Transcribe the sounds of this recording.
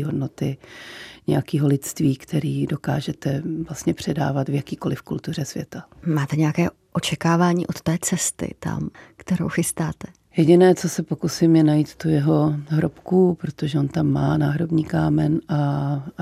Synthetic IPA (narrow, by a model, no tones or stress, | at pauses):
ɦodnot̪ɪ | ɲɛ̰jakiːɦo̞lɪt̪st̪viːkt̪ʰɛɾiːdo̞ka̰ːʒɛt̪ɛvlast̪ɲɛpr̝̥ɛda̰ːvat̪vjakiːko̞lɪfkult̪ur̝ɛsvjɛt̪amaːt̪ɛɲɛjakɛː | ʔo̞t͡ʃɛkaːvaːɲḭːʔot̪t̪ɛːt͡sɛst̪ɪ̰t̪a̰mkt̪ɛɾo̞̰wxɪst̪aːt̪ɛ̥ | jɛɟɪnɛːt͡so̞sɛpokusɪmjɛnajiːt̪t̪ujɛɦo̞ɦɾopkupɾot̪oʒɛo̞nt̪amːaːnaːɦɾobɲiːkaːmɛna